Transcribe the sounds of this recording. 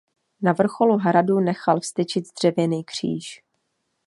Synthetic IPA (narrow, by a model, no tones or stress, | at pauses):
navr̩xo̞luɦɾadunɛxalfst̪ɪt͡ʃɪt̪zd̪r̝̥ɛvjɛniːkr̝̥ḭːʃ